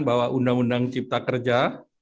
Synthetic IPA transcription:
nbawaʔundaŋundaŋt͡ʃip̚t̪akərd͡ʒa

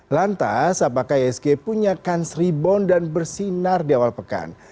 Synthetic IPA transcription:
lant̪a̰sapakahɛsɡepuɲakansɾibɔndanbərsinardiawalpəka̰n

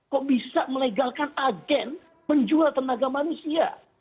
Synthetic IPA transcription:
kɔʔbisaməliɡalkanaɡɛn | məɲd͡ʒualt̪ənaɡamanusia̰

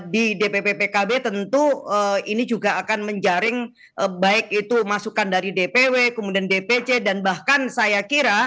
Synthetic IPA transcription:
didepepepekabet̪ənt̪uəinid͡ʒuɡaːkanməɲd͡ʒaɾɪŋ | əbaɪk̚it̪umasukandaɾidepewekəmudiandepet͡ʃedanbahkansajakiɾa

